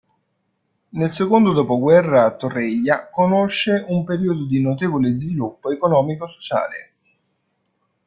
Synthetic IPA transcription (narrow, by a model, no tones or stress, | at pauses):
nelsekond̪od̪opoɡwɛrːaːt̪ːorɛjːakonoʃːeumpeɾiːod̪od̪inot̪eːvolezvilupːoekonɔːmikoso̥t͡ʃa̰ːlḛ